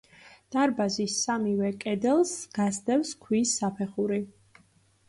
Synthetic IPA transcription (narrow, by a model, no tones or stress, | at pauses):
d̪̥aɾbazisːamivɛkʼɛd̪ɛlˠsɡ̥asd̪ɛwskʰwiːsːapʰɛχuɾi